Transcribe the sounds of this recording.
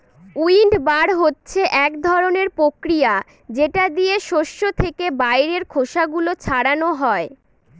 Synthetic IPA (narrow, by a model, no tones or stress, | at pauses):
uiɳɖbaɾɦotːɕʰeʔɛkd̪ʱɔɾoneɾpɾokɾija | d͡ʑeʈad̪ijeʃoʃːot̪ʰekebajɾeɾkʰoʃaɡulot͡ɕʰaɽanoɦɔe